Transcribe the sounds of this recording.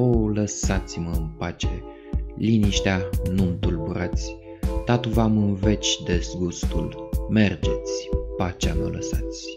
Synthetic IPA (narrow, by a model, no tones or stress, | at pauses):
oləsat̪sʲməɨnpat͡ʃe | liniʃt̪eanumt̪ulbuɾat̪sʲ | t̪at̪uvamɨnve̞t͡ʃʲd̪e̞sɡust̪ṵlme̞rd͡ʒe̞t̪sʲpat͡ʃamələsat̪sʲ